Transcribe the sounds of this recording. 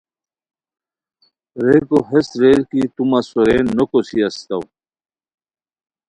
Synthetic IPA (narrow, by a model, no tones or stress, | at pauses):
ɾekoɦesɾeɾkit̪umasoɾenːokosiɐst̪aw